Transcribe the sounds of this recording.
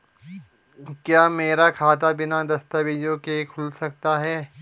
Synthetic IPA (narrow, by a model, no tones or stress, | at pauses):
kjaːmeːɾakʰaːt̪̬abɪnad̪ɐst̪abɪd͡ʒjõkekʰʊlsɐk̚t̪aɦɛː